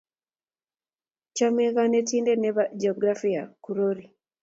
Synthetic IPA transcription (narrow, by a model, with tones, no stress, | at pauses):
t͡ʃa˦me˦ɣa˦ne˦tiː˦nde˦ne˦βaɟeoɡɾa˦fija˨ku˨ɾoɾi